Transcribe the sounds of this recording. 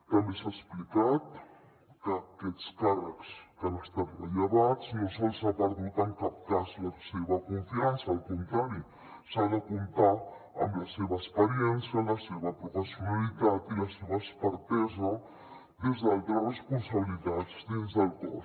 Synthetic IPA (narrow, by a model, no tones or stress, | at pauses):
t̪ambesaesplikat̪ | kaket̪skara̰kskanast̪aɾaʎaβat͡snosolsat̪aɾðit̪aŋkap̚t̪aslaseβakoɱfiansaolkont̪ɾaɾo | saðakʊnt̪a | a̰mlaseβaespeɾjensjalaseβapɾofesjonalit̪at̪ilaseβaespaɾt̪ez̬a | d̪ezd̪alt̪ɾaresponsaβilit̪at̪sd̪enzd̪alt̪a̰